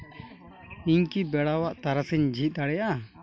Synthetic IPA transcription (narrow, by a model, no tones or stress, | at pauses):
iɲkibɛɽawaʔt̪aɾasiɲd͡ʒʱit̪̚ˀd̪aɽɛja